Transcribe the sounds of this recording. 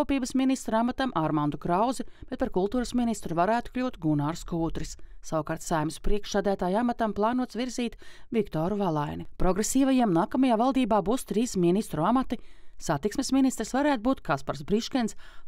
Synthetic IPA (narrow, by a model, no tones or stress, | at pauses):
uɔpiːbəsminist̪ɾamat̪amʔaɾmand̪ukɾawzib̥et̪̚paɾkulˠt̪uːɾəsminist̪ɾuvaɾæːt̪u̥klʲuːt̪ɡunaːɾskuːt̪ɾissawkaːɾt̪sajmɪspɾiɛkʃsæːd̪æːt̪aːjamat̪amplˠɑːnuɔt̪sviɾziːt̪vikt̪ɔːɾuvalˠajnipɾɔɡɾesiːvajiɛmnaːkamajaːvalˠd̪iːbaːbuːst̪ɾiːsminist̪ɾuamat̪isat̪iksmesminist̪ɾisvaɾæːt̪̚buːt̪kaspaɾsbɾiʃkɛns